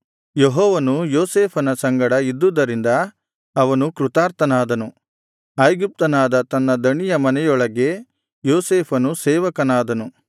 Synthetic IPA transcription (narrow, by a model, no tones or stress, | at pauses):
jeɦɔːʋɐnujoːseːpʰɐnɐsɐŋɡɐɽɐid̪ːud̪ɐɾind̪ɐː | ʋɐnukɾut̪aːɾt̪ɐnaːd̪ɐnu | ɐːjɡup̚t̪ɐnaːd̪ɐt̪ɐnːɐd̪ɐɳijɐmɐnɛjɔɭɐɡe̞ | joːseːpʰɐnusɛːʋɐkɐnaːd̪ɐnu